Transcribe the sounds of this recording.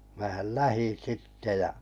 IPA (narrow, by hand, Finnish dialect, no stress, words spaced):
mæːhæl læhin̞ sitːe jɑ